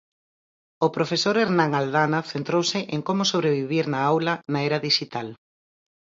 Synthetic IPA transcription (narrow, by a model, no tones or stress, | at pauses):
ʊpɾofesoɾeɾnãŋaldanaθent̪ɾowsɪʔeŋkomʊsoβ̞ɾeβiβ̞iɾnaawlɐnaɛɾɐðiʃit̪al